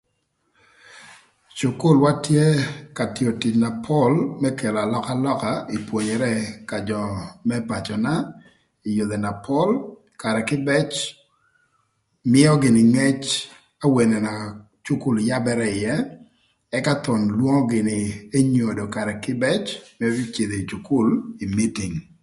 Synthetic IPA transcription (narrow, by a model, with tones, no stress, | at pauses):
t͡ʃʊ˨kʊ˦˨lwa˦tje˦ka˨tjo˨ti˨t͡ʃna˨pʰɔ˦lmɛ˦ke˨la˨lɔ˦ka˦lɔ˦ka˨i˨pwo˨ɲɛ˨ɾɛ˦ka˨d͡ʒɔ˨mɛ˦pa˨t͡ʃɔ˨na˦ | i˨jo˨d̪e˨na˨pʰɔ˦l | ka˨ɾɛ˨kɪ˦bɛ˦t͡ʃ | mɪ˦ɔ˦ɡɪ˨nɪ˨ŋɛ˦t͡ʃ | a˦we˨nɛ˨na˨ | t͡ʃu˦ku˦˨lja˦bɛ˦ɾɛ˦ɪ˨jɛː˦ | ka˦t̪ɔ˨nlwo˦ŋɔ˦ɡɪ˨nɪ˨e˦ɲo˨do˨ka˨ɾɛ˨kɪ˦bɛ˦t͡ʃmɛ˦t͡ʃɪ˨d̪e˨t͡ʃu˨kʊ˦li˨mi˦ti˨ŋ